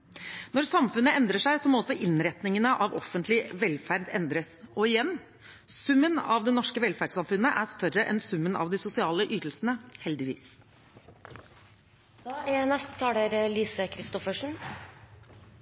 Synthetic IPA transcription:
nɔɾsɑmfʉnəɛnd̪ɾəʂæɪsɔmɔɔsɔʔɪnɾɛt̪nɪŋənəʔɑʋɔ̰fənt̪lɪʋɛlfæɾd̪ɛnd̪ɾəsɔɪjɛnː | sʉmːənɑʋd̪ɛnɔʂkəʋɛlfæɖsɑmfʉnːəʔæʂt̪œɾːəʔɛ̰nsʉmːənɑ̰ʋd̪ɪsʊsɪɑːləʔyːt̪əl̩sənəhɛld̪ɪʋḭːs | d̪ɑːænɛst̪ə̥t̪ʰɑːɖ̪əɾəliːsəkʰɾɪst̪ɔfəʂɳ̩

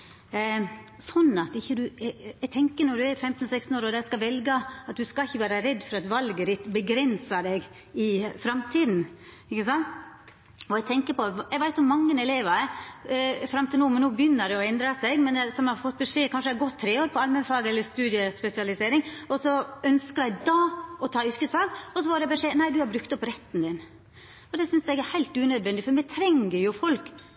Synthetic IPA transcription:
sɔnːɑt̪ɪçːəd̪ʉɛɡ̚t̪ʰɛŋkənɔɖ̪ʉæfɛmt̪n̩ɔsɛkst̪n̩oːɾoːd̪æskɑʋɛlɡəɑt̪̚d̪ʉskɑɪçːəʋæːɾəɾɛd̪ːfɔɾɑt̪ʋɑlɡəɾɪt̪bəɡɾɛnsɑd̪ɛɡ | ɪfɾɑmt̪ʰiːd̪n̩ | ɪçəsɑnt̪ | ɔɛɡt̪ʰɛŋkəpɔɛɪɡʋæɪt̪ʊmɑŋːənɛleːʋə | fɾɑmt̪ʰɪlnuːmɛnuːbəjʏnːəd̪ɛɔɛnd̪ɾɑsɛɡmɛnsɔmhɑɾfɔt̪̚ːbɛʂeːkʰɑnʂəæɪɡɔt̪ʰːɾeːoːɾpʰɔɑlmənfɑːɡɛlːəst̪ʉːd̪ɪəspɛsɪɑlɪseːɾɪŋɔsɔœnskəɾæɪd̪ɑɔt̪ʰɑːʏɾkəsfɑːɡɔsɔʋɑɾɛbɛʂeːnæɪd̪ʉhɑɾbɾʉkt̪ɔpɾɛt̪ːnd̪ɪn | ɔd̪ɛsʏnsɛɡæɾhæɪlt̪ʉːnœd̪ʋɛnd̪ɪfɔɾmɛt̪ʰɾɛŋːəɾjʊfɔlk

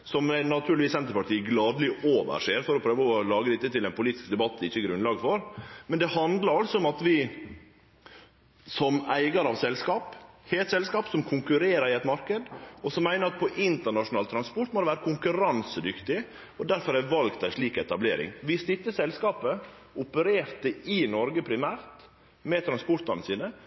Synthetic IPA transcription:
sɔmænɑt̪ʰʉːɾlʋiːsɛnt̪əɾpɑʈiːɡlɑːd̪lɪʔoːʋə̰ɾʂeːɾfɔɾɔpʰɾøːʋəɔlɑːɡəd̪ɪt̪ːət̪ɪlɛnpʊliːt̪ɪ̥skd̪ɛbɑt̪ːd̪ɛɪçːəɡɾʉnlɑːɡəfɔɾmɛnd̪ɛhɑnd̪lɑɾɑlsɔʊmɑt̪ʋɪ | sɔmæɪɡɑɾɑʋsɛlskɑːpheːt̪sɛlskɑːpsɔmkʰʊŋkʉɾeːɾəɾɪɛt̪mɑɾkəd̪ɔsɔmːæɪnəɾɑt̪̚pʰɔʔɪnt̪əɳɑʂʊnɑːlt̪ʰɾɑnspɔʈ̪mod̪ɛʋæːɾəkʰʊŋkʉɾɑnsəd̪ʏkt̪ɪ | ɔd̪æɾfɔɾæʋɑlɡt̪ʰæɪʂɭiːkɛt̪ɑblḛːɾɪ̰ŋʋɪst̪ɪt̪ːəsɛlskɑːpə | ʊpəɾeːɾt̪əɪnɔɾɡəpʰɾɪmæːɾt̪ | mɛt̪ʰɾɑnspɔɾt̪ɑnəsiːd̪ə

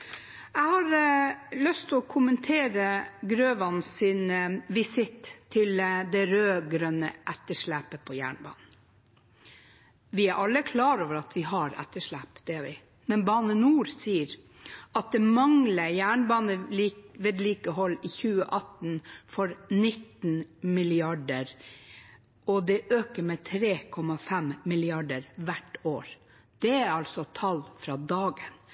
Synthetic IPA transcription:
æɪhɑɾlœst̪ʰɪɔkʰʊmənt̪ʰeːɾəɡɾøːʋɑnsɪnʋɪsɪt̪ʰːɪld̪ɛɾøːɡɾœnə̰ʔɛt̪ːəʂɭæpəpʰɔjæ̰ːɳbɑ̰ːnn̩ | ʋɪæɾʔɑlːəkʰlɑːɾoːʋəɾɑt̪ʰʋɪɦɑɾɛ̰t̪ːəʂɭæpd̪̥ɛʋɪ | mɛnbɑːnənuːɾsiːəɾ | ɑt̪̚d̪ɛmɑŋləjæːɳbɑːnəʋeːd̪liːkəɦɔlːɪçʉːəʔɑt̪nfɔɾnɪt̪ːnmɪlɪɑɖəɾ | ɔd̪ɛʔøːkəɾmɛːt̪ʰɾeːkʰɔmɑfɛmmɪlɪɑɖəɾʋæʈːoːɾ | d̪̥ɛæɾɑlsɔt̪ʰɑlfɾɑːd̪ɑːɡən

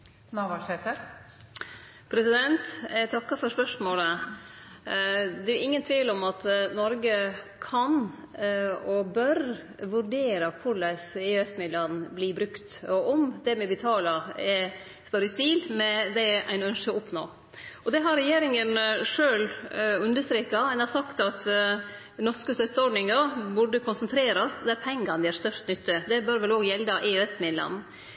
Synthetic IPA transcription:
nɑʋɑʂet̪əɾ | pʰɾɛsɪd̪ɛnt̪æt̪ʰɑkːɑfɔɾspœʂmoːlə | d̪ɛæɾʔɪŋːənt̪ʰʋiːlɔmɑt̪nɔɾɡə | kʰɑn | ɔbœɾ | ʋʉɾɖeːɾəkʰʊɭæɪsɪɛsmɪd̪lɑnːbliːbɾʉkt̪ɔʔɔmd̪ɛmɛbət̪ʰɑːlɑɛ | st̪ɔɾɪspiːlmɛd̪ɛæ̰ɪnœnʂəʊpno̰ː | ʔɔd̪ɛɦɑɾɛjeːɾɪŋənʂøːlʉnd̪əʂt̪ɾeːkɑɛnhɑɾsɑkt̪ɑt̪ | nɔʂkəst̪œt̪ːəɔɖnɪŋəɾbʉɖːəkʰʊnsənt̪ʰɾeːɾɑsd̪ɛæɾpʰɛŋɡɑnd̪ɪæɾst̪œʂt̪nʏt̪ːəd̪ɛbœɾʋɛloːɡjɛld̪ɑʔɪøɛsmɪd̪lɑ̰n

